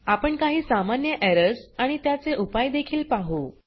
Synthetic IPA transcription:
apəɳkaɦiːsamanjəʔɛɾəsaɽ̃it̪jat͡seʔupajd̪ekʰiːlpaɦo

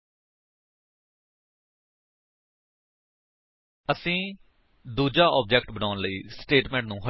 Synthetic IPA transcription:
əsĩː | d̪uːd͡ʒaːɔ̰ːp̚d͡ʒɛːkʈbənaːʊnləḭːsʈeːʈmɛ̃ːɳʈ̚nũːɦə

